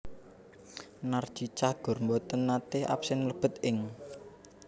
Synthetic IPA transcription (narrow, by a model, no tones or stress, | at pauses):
nar̥t͡ʃit͡ʃahɡ̥ʊ̤rmbɔt̪ənːat̪ɪhʔa̰psɛnləb̥ə̤t̪̚ɪŋ